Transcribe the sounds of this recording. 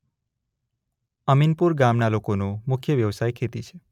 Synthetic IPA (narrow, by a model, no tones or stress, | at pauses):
əminpuɾɡamnalokonumʊkʰjəʋjəʋsajkʰet̪it͡ʃʰe̥